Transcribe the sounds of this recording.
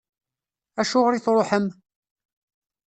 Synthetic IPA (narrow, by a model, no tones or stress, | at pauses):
æʃʊʁɾiθɾˤoħəm